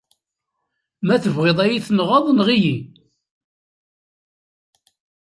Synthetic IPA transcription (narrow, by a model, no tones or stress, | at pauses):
mæθəvʁeðˤæjiθnʁɑðˤnʁiji